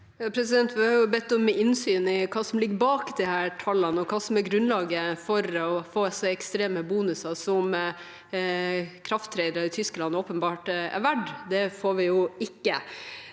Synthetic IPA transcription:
jɑːpʰɾɛsɪd̪ɛnt̪ʋɪhɑɾjʊbɛt̪ːɔmːɛɪnsyːnɪkʰɑːsɔmlɪɡːəbɑːkd̪ɪhæːʈʰɑlːənɔkʰɑːsɔmæɾɡɾʉnlɑːɡəfɔɾɔfoːsɔɛkst̪ɾeːməbuːnʉsɑsɔm | kʰɾɑft̪ʰɾɛɪd̪əɾəɾɪt̪ʰʏskəlɑnɔːpənbɑːʈæ̰ɾʋæɖd̪ɛfoːɾʋɪjʊɪkːə

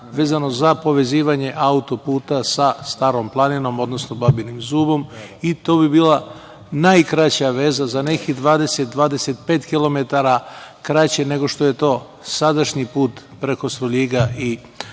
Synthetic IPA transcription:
ʋe̞ːzano̞zapo̞ʋe̞ziːʋaɲe̞ʔaut̪o̞puːt̪asast̪aːɾo̞mplˠanino̞mo̞d̪no̞snobabilnimzuːbo̞mit̪o̞ːbibiːlˠa | najkɾat͡ɕaʋe̞ːzazane̞kid̪ʋaːd̪e̞set̪̚d̪ʋaːd̪e̞set̪pe̞ːt̪kilˠo̞me̞t̪aɾakɾat͡ɕe̞ne̞ɡo̞ʃt̪o̞je̞t̪o̞ː | sad̪aʃɲipuːt̪pɾe̞ko̞st̪ɾoʎiɡai

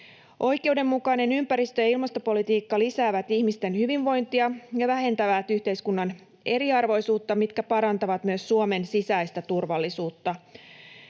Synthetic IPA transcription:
ʔo̞jke̞uwde̞mːukɑjne̞nympæɾist̪ø̞jɑilmɑst̪o̞po̞lit̪iːkːɑlisæːʋæt̪içmist̪e̞nhyʋinʋo̞jnt̪iɑjɑʋæɦe̞nt̪æʋæt̪yht̪e̞jskunːɑn | e̞ɾiɑrʋo̞jsuːt̪ːɑmit̪kæpɑɾɑnt̪ɑʋɑt̪myøsːuome̞nsisæjst̪æt̪urʋɑlːisuːt̪ːɑ

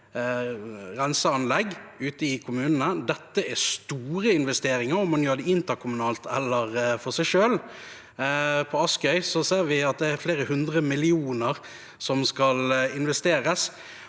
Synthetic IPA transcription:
ʁɛnsəɑnlɛɡʉːt̪əɪkʰʊmʉːnənəd̪ɛt̪ːəɛst̪uːɾəɪnʋɛst̪eːɾɪŋəɾɔmːɑnjøːɖ̪ɛɪnt̪əɾkʰʊmʉnɑːlt̪ʰɛlːəʁfɔʁsæɪʂøːl | pʰɔɑskœʏsɔseːɾʋɪɑt̪̚d̪ɛæɾfleːɾəhʉnd̪ʁəmɪlɪuːnəʁ | sɔmskɑlɪnʋɛst̪eːɾəs

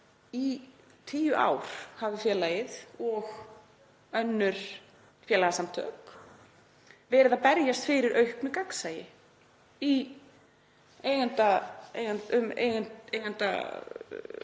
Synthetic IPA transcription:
i | t̪ʰiːjʏʔa̰ːwɾ̥havðɪfjɛːlajɪðɔɣ | œnːʏɾ̥ | fjɛːlaɣasamt̪ʰœ̰ːk | vɛːɾɪðapɛɾjast̪fɪɾɪɾʔœɥhknʏkaksaːjɪ | i | eːjɣant̪aejɣant̪ʏmḛjɣanejɣan̥t̪a̰

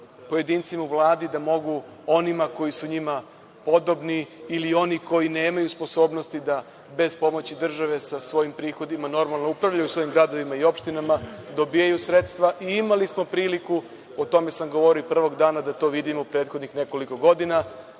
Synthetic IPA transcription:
po̞je̞d̪iːnt̪simauvlˠaːd̪id̪amo̞ɡu | o̞nimako̞jisuɲima | po̞d̪o̞bniːlio̞niko̞jine̞ːmajuspo̞so̞ːbno̞st̪id̪a | be̞zpo̞mo̞t͡ɕid̪r̩ʒaʋe̞sasʋo̞jimpɾiːxo̞d̪imano̞ɾmalˠnoupɾaʋʎajusʋo̞jimɡɾad̪o̞ʋimaio̞pʃt̪inamad̪o̞bijajusɾe̞t̪st̪ʋaʔiimalismo̞pɾiːliku | ot̪o̞me̞samɡo̞ʋo̞ɾiopr̩ʋo̞ɡd̪aːnad̪at̪o̞ːʋid̪imoupɾe̞ːt̪xo̞d̪nixne̞ko̞liko̞ɡo̞d̪ina

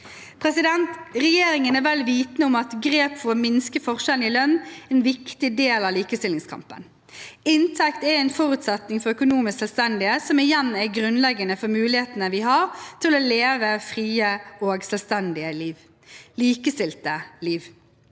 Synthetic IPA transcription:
pʰɾɛsɪd̪ɛnt̪ʁɛjeːɾɪŋənɛɾʋɛlʋiːt̪nəʊmɑt̪ɡɾeːpfɔɾɔmɪnskəfɔʁʂɛlnɪlœnːɛnʋɪkt̪ɪd̪eːlɑliːkəst̪ɪlɪŋskʰɑ̰mpə̰n | ɪnt̪ʰɛkt̪ɛɾɛɪnfɔɾʉt̪sɛt̪nɪŋfɔʁœkʊnuːmɪsksɛlst̪ɛnd̪ɪesɔmɪjɛnːæɾɡɾʉnlɛɡːənəfɔɾmʉːlɪheːt̪ənəʋɪɦɑɾt̪ʰɪloːleːʋəfʁiːəoːɡsɛlʋst̪ɛnd̪ɪəliːʋ | liːkəst̪ɪlt̪əliːʋ

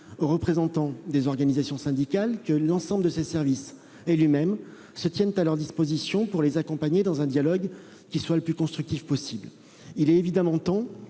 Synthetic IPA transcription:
oʁəpχezɑ̃t̪ɑ̃d̪ezɔʁɡanizasjɔ̃sɛ̃d̪ikalkəlɑ̃sɑ̃bləd̪əsesɛʁvis | elɥimɛm | sət̪jɛnt̪alœʁd̪ispozisjɔ̃puʁlezakɔ̃paɲed̪ɑ̃zɛ̃d̪jalɔɡ | kʲiswaləplykɔ̃st̪χyk̚t̪ifpɔsibl | ilɛevid̪amɑ̃t̪ɔ̃

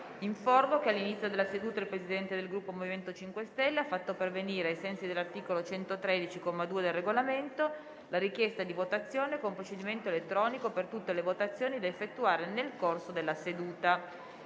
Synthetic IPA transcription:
iɱformokealːinit̪sjod̪elːased̪uːt̪ailpɾesid̪ɛnt̪ed̪elɡɾupːomoviment̪ot͡ʃiŋkwest̪ɛlːeafːat̪ːoperveniːɾeajsɛnsid̪elːart̪iːkolot͡ʃɛnt̪ot̪ɾed̪it͡ʃikomːad̪uːed̪elreɡolament̪o | laɾik̟jɛst̪ad̪ivot̪at̪sːjoːnekompɾot͡ʃed̪iment̪oelet̪ːɾɔːnikopert̪ut̪ːelevot̪at̪sːjoːnid̪aefːet̪ːuaːɾenelkorsod̪elːased̪uːt̪a

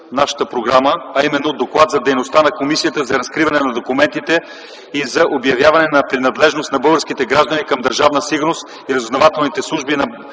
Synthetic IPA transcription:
naʃə̥t̪əpɾoɡɾaməɐimɛnːod̪oklˠat̪zɐd̪ɛjnost̪anɐkomisijət̪əzɐɾɐskɾivɐnɛnɐd̪okumɛnt̪it̪ɛ | izɐʔobjɐvjavɐnɛnɐpɾinɐd̪lɛʒnost̪nɐbɤlˠɡəɾsk̟it̪ɛɡɾaʒd̪ənikɐmd̪ɐɾʒavnəsiɡʊɾnost̪ | iɾɐzoznɐvat̪ɛlˠnit̪ɛslˠuʒbinɐ

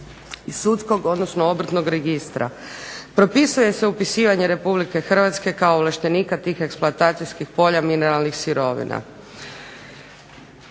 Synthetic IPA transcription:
isut̪sko̞ɡo̞d̪nosnoobr̩t̪no̞ɡɾe̞ɡist̪ɾa̰ | pɾo̞pisuje̞se̞upisiːʋaɲe̞ɾe̞publike̞xr̩ʋat̪ske̞kaoːʋlˠaʃt̪e̞niːkat̪iːxe̞ksplˠoat̪aːt̪sijskixpo̞ʎamine̞ɾalˠnixsiɾo̞ʋḭna̰

